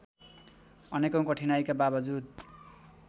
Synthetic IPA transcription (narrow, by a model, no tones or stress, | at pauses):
ʌnekʌ̃w̃kʌʈʰinajkababʌd͡zud̪̚